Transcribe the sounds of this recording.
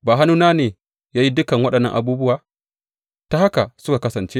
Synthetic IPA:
baː˨ɦa˦nuː˦naː˦neː˨ | jaː˦ji˦dʊ˦kɐ˨ŋwɐ˦ɗɐ˨nːɐ̰˦ʔa̰˨buː˦bʊ˦waː˨ | ta˦ha˦ka˨sʊ˦ka˨kɐ˦sɐ˨nt͡ʃe˦

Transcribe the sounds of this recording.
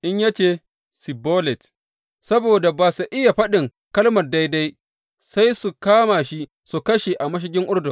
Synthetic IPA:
ʔɪ˦ɲja˦t͡ʃeː˨ | sɪ˨boː˦lɛ˨t | sɐ˦boː˨da˨baː˨su˨ʔɪ˦ja˨ɸɐ˦ɗɪ˨ŋ | kɐ˦lmɐ˨rda˦jda˦j | sa˦jsu˨kaː˦maː˨ʃi˦ | su˨kɐ˦ʃe˨ʔa˨mɐ˦ʃ̬ɪ˦ɡʲɪ˦ŋʔʊ˦rdʊ˨

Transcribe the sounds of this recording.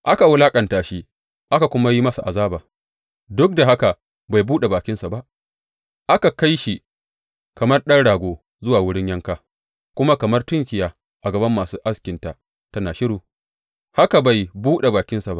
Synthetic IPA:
ʔa˦ka˨wʊ˦laː˦kʼɐ˨ntaː˨ʃi˦ | ʔa˦ka˨kʷʊ˦ma˦ji˦mɐ˦sa˨ʔa˨zaː˦baː˨ | dʊ˦k̚da˨ɦa˦ka˨ | ba˨jbuː˦ɗe˨baː˨kʲɪ˦nsa˨ba˦ʔ | ʔa˦ka˨ka˦jʃi˦˨ | kɐ˨mɐ˦rɗɐ˦nɽaː˨ɡʷoː˦ | zʊ˦waː˨wʊ˦ɽɪ˦ɲjɐ˦ŋkaː˦ | kʷʊ˦ma˦kɐ˨mɐ˦rtʊ˦ŋkʲɪ˨jaː˨ | ʔa˨ɡɐ˨bɐ˦mːaː˨suː˦ʔa˦skʲɪ˨nta˨ | ta˦naː˨ʃɪ˦ɽuː˨ | ha˦ka˨ba˨jbuː˦ɗe˨baː˨kʲɪ˦nsa˨ba˦ʔ

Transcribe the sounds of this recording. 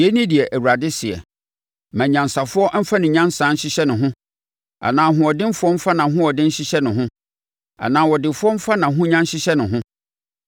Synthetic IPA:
e˦nĩ˦dɪ˨ɛ˨ʔæ˨wu˨ɾa˨dɪ˦sɪ˨ɛ̰˨ | mæ̃˨ɲã˨n˨sa˨fʊ˦ɔ˦ʔm̩˦fa˦nʊ̃˨ɲã˦n˦sã˨˦n̩˦ɕɪ˦ɕɛ˦nʊ̃˨ɦʊ̃˦ | a̰˨nãː˦˨ɦʊ̃˦ɔ˨dɪ̃˦m˦fʊ˦ɔ˦m̩˦fa˦nã˨˦ɦʊ̃˦ɔ˨dɪ̃˦n̩˦ɕɪ˦ɕɛ˦nʊ̃˨ɦʊ̃˦ | a̰˨nãː˦wɔ˨dɪ˨fʊ˦ɔ˦m̩˦fa˦nã˨˦ɦʊ̃˦ɲã˦n˦ɕɪ˦ɕɛ˦nʊ̃˨ɦʊ̃˦

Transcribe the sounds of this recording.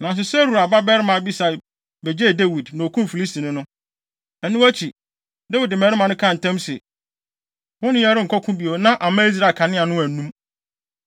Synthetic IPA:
nã˨s̬ɪ˨sɛ˦ɾu˨ɾa˨ba˦bɛ˦ɾɪ˦mã˨˦bi˦sa˨ | bɛ˨d͡ʑe˦˨de˦wi˨dnã˨kʰũ˦˨fi˨li˦sti˨nɪ̃˦nʊ̃˦ | æ˨nũ˦æ˦t͡ɕʰi˨ | de˦wi˨dɪ˨mɛ˨˦ɾɪ˦mã˨nʊ̃˦kʰã˦˨n̩˨tʰɛ̃˦msɛ̰˨ | wʊ̃˦nʊ̃˦jɛ˦ɾɪ˦ŋ̩˨kʰɔ˦kʰʊ̃˦bi˨o˨˦nã˦ʔa˨mã˦i˦s̬ɾa˨kʰã˨nɪ̃˦a˨nʊ̃˦æ˨nũ˦m

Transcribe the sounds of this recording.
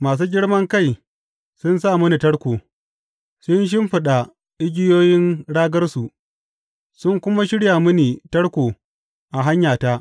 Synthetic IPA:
maː˨s̬uː˦ɡʲɪ˦ɽmɐ˦ŋka˦˨j | sʊ˦nsa˦˨mʊ˦ni˨tɐ˦ɽkʷoː˨ | sʊ˦nʃ̬ɪ˦mɸɪ˨ɗa˨ | ʔɪ˦ɡʲɪ˦joː˦jɪ˦nɽaː˦ɡɐ˦rsu˨ʔ | sʊ˦ŋkʷʊ˦ma˦ʃɪ˦ɽjaː˨mʊ˦ni˨tɐ˦ɽkʷoː˨ | ʔa˨ɦa˦ɲjaː˨ta˦ʔ

